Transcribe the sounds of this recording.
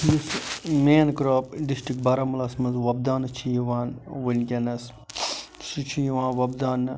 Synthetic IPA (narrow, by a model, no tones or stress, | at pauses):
jusmeːnkɾaːpɖisʈɾikbɐɾamɐlaːsmɐnzʋɐb̚d̪aːnɨt͡ʃʰijiʋaːnʋɐnʲkʲɐnɐs | sut͡ʃʰijiʋãːnʋɐbd̪aːnː